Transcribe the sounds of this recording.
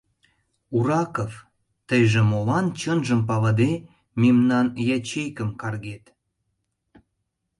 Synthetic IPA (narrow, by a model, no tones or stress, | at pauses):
uɾɑkof | t̪əjʒĕmolɑnt͡ɕənʒəmpɑβəd̪e | memnɑnjæt͡ɕejkəmkɑrɣet̪